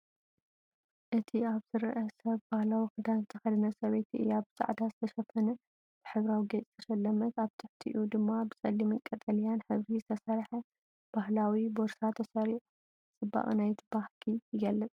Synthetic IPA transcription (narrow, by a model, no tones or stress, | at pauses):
ʔɨt̪ʰiaβzɨɾɨʔɐsɐβbahlawikɨd̪anzɨt̪ʰɐxɐd̪ɨnɐsɐβet̪iʔɨ̰jaβbɨzʼa̰ʕd̪azɨt̪ʰɐʃɐfɐnɐ | b̥ɨħɨβɾawiɡet͡sʼt̪ʰɐʃɐlːɐmɐt̪aβt̪ʰɨħt̪ʰḭʔud̪ɨmːabɨsʼɐlːimɨŋkʼːɐt̪ʼɐljanħɨβɾizɨt̪ʰɐsɐɾħɐ | b̥ahlawiboɾsat̪ʰːɐsɐɾiʔ | sʼɨba̰χʼnajt̪ʰɨbahkʰijɪɡɐlːɨt͡sʼ